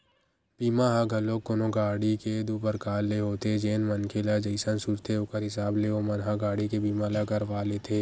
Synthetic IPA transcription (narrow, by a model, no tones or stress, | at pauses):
b̥iːmãɦãɡʱɐlokʊnõɡaːɽiked̪ubəɾkaːlːeɦot̪ed͡ʒeːnmɐnkʰelad͡ʒəɪsənsuɾt̪ʰeʊkəɾɦɪsaːbleomɐnɦãɡaːɽikebiːmalaɡɐɾʋaːlet̪ʰeː